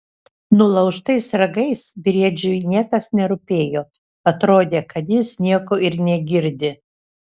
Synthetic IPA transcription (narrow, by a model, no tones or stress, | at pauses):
nʊlˠɐʊʃt̪ɐɪsɾɐɡɐɪsbʲɾʲiɛd͡ʒʲʊjnʲiɛkɐsnʲɛɾʊpʲeːjoː | ɐt̪ɾoːd̪ʲeːkɐt̪jɪsnʲiɛkoːɪɾnʲɛɡʲɪɾʲd̪ʲɪ